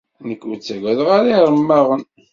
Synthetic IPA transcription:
nəkːut͡sːæɡæðʁaɾiɾˤəmːaʁən

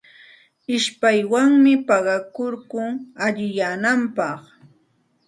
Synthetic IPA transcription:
ɪʃpajwaŋmɪpɑɢɑkoɾkʊŋaʎɪjaːnampɑχ

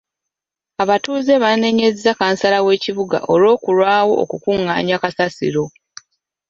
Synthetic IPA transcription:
aβatuːzeβane̞ɲezezakaːnsalawe̞ːciβuɡa̰ʔolo̞ːkulwaːwo̞̰ʔːkukuŋːa̰ːɲakasasḭɾo̞

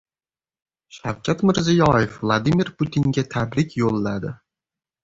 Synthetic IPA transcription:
ʃawkʰʲat̪mɪɾzɪjɒjefvlˠad̪imɪɾpʰut̪ʰiŋɡʲat̪ʰabɾɪkʲjolˠːad̪ɪ

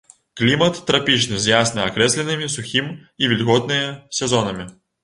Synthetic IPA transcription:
klʲimɐt̪ːɾɐpʲit͡ʃnɨzʲjasnɨakɾɛsʲlʲɛnɨmʲisʊxʲimivʲilʲɣɔt̪nɨjɐsʲɛzɔnɐmʲi

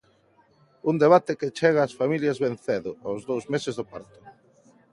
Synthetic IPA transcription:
und̪eβ̞at̪eket͡ʃɛɣaːsfamiljɐzβen̟θeðʊozðowzmesezðopaɾt̪ʊ̥

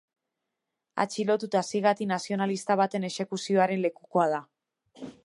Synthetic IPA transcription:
a̰t͡ʃilo̞t̪ut̪asiɣat̪inasio̞nalist̪aβ̞at̪e̞ne̞ʃe̞kusio̞aɾe̞nle̞kuko̞að̞a

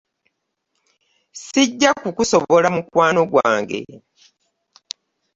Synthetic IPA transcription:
siɟːakukuso̞βo̞lamukwaːno̞ɡwa̰ːŋɡe̞̰

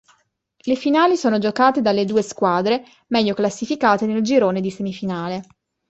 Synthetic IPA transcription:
lefinaːlisoːnod͡ʒokaːt̪ed̪alːed̪uːeskwaːd̪ɾe | mɛʎːoklasːifikaːt̪eneld͡ʒiɾoːned̪isemifinaːle

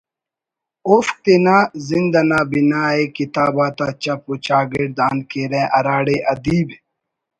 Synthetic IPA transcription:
ofk̚t̪enazind̪ɐnaːbinaːekit̪aːbaːt̪at͡ɕɐpot͡ɕaːɡeɽd̪aːnkeɾeʔɐɾaːɽeʔɐd̪iːbe

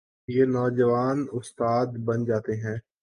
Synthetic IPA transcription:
jenɔːd͡ʒəʋaːnʊst̪aːd̪bɐnd͡ʒaːt̪eɦɛ̃ː

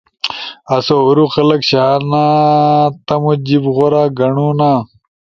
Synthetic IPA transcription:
ɐsoːɾuxɐlɐkɕaːnaːt̪ɐmud͡ʑibɣoɾaːɡɐɳuːnaː

